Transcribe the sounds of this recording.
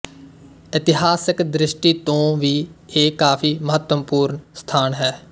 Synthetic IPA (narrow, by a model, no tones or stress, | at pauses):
ɪt̪ɪɦaːsɪkd̪ɾɪʃʈiːt̪õːʋiːeːkaːpʰiːməɦət̪əmpuːɾnst̪ʰaːnɦɛː